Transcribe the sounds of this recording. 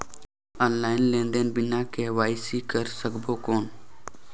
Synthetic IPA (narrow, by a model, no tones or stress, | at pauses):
aːnlaːɪnlẽːnd̪enbɪnãːkeʋaːɪsiːkəɾsəkboːkoːn